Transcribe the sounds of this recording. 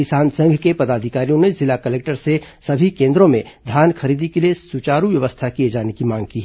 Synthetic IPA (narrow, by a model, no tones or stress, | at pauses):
ɪsaːnsɐ̃ŋɡʱkepɐd̪aːd̪ʱɪkaːɾijõnezɪlakəleːk̚ʈəɾsesɐbʱikẽːnd̪ɾõmẽd̪ʱjaːnxʰɐɾiːd̪ikeliesut͡ʃaːɾuʋjɐʋəst̪ʰakied͡ʒaːnekimãːŋɡ̚kiːɦɛ